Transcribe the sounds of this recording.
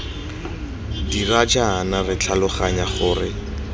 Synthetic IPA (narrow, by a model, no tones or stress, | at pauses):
dirad͡ʒaːnarɪt͡ɬʰalʊχaɲaχʊːrɪ